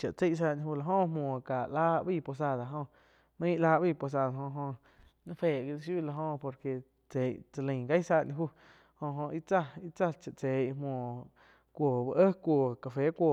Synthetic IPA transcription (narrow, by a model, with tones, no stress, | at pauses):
t͡ʃa˨ʔt͡se˦˨ʔs̬aː˧ɲĩ˧huː˦˧la˧˨ɦõ˦ʔmwõː˨ka˨ʔlaː˧ʔbi˦˧˨po˧s̬a˧˨d̪a˨ɦõ˧ʔ | mə̃˦ʔlaː˧˦ʔbi˦˧˨po˧˨s̬aː˧˨d̪a˨ɦõ˧ɦõ˧ | nã˦feː˨ɡi˧li˧ʃ̬ju˦˨la˧ɦõ˧po˧ɾke˨ | t͡se˨t͡sa˧lə̃˨ɡa˦saː˧ɲĩ˧ɦuː˦ | hõ˧ɦõ˧ʔi˦t͡sa˦i˦t͡sa˦t͡ʃa˨ʔt͡se˨jmwõː˨ | kʷoː˨ba˧ʔə˦kʷoː˨ka˧˨fe˨˦kʷoː˨